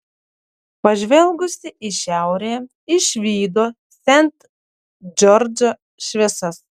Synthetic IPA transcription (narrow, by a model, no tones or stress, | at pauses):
pɐʒʲʋʲɛlˠɡʊsʲɪʔɪʃʲæˑʊɾʲeː | ɪʃʲʋʲiːd̪oː | sʲɛnʲt̪ | d͡ʒʲɔɾʲd͡ʒʲoː | ʃʲʋʲɛsɐs